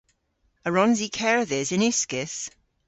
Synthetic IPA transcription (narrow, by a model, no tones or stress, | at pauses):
əɹɔ̃nzikʰɛɹðɪzɪnʉskɪs